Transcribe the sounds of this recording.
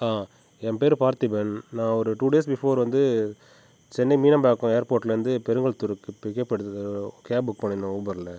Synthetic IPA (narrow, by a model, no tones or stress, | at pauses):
aː | ɛmpeːɾpaːɾt̪ɪbennãːɔɾɯʈuːɖeːsbɪfoːɾʋɐnd̪ɯ | t͡ʃɛnːɛmiːnɐmbaːkːʊ̃eːɐɾpoːʈːɪlɾɯnd̪ɯpɛɾɯŋɡɐɭt̪ʊɾɯkːɯpɪkːɐpːɛɽɯt̪ːðɯkeːbʊkːpɐɳːɪnõʊbɐɾlɐ